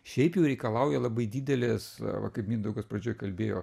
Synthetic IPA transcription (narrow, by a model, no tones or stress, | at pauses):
ʃʲɛɪpjɛʊɾʲɛɪkɐlˠɐʊjɛlˠɐbɐɪd̪ʲiːd̪ʲɛlʲɪsʋɐ̰kɐɪpmʲiːnd̪ɐʊɡosprɐd͡ʒʲoːjkɐlʲbʲeːjoː